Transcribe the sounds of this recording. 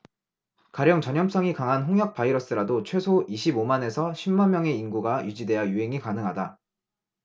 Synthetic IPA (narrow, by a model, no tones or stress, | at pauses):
kaɾjʌŋt͡ɕʌɲʌms͈ʌŋikaŋɦanɸoŋɦjʌk̚p͈aiɾʌs͈ɯɾadot͡ɕʰwe̞sʰoʔiɕʰibomane̞sʰʌɕʰimːanmjʌŋe̞inɡuɡajud͡ʑide̞ajuɦe̞ŋikanɯŋɦada